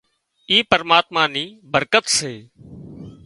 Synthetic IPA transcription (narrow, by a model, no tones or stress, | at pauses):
iːpəɾmaːt̪maːniːbəɾkət̪seː